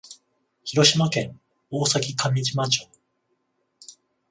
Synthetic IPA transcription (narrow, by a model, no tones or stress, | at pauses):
çiɾo̞ɕimakẽ̞ŋ | oːsakʲikamʲid͡ʑimat͡ɕo